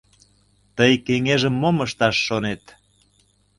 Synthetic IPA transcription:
t̪əjkeŋeʒəmːoməʃt̪ɑʃːonet̪

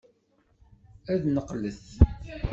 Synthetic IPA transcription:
æðnəqləθ

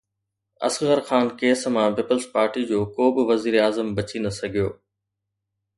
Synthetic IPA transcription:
ɐ̰sɣəɾxaːnkeːsmãːpiːpəlzpaːɾʈid͡ʑoːkoːbɪʋɐziːɾaːzəmbɐt͡ɕinɐsɐɡʱijoː

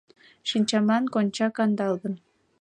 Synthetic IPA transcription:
ʃinʲt͡ɕɑmɑnkonʲt͡ɕɑkɑnd̪ɑlˠɡ̪ɤ̆n

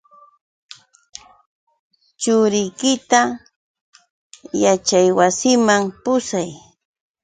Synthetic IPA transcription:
t͡ʃʊɾɪjkɪt̪a | jat͡ʃajwasɪmampʊsaj

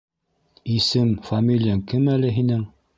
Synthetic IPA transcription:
isɘmfamʲilʲijaŋkɘmælɘɦinɘŋ

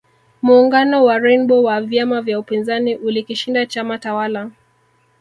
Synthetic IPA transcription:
muːŋɡanɔwaɾɛnbɔwavjamavjaupinzaniʔulikiʃindat͡ʃamatawala

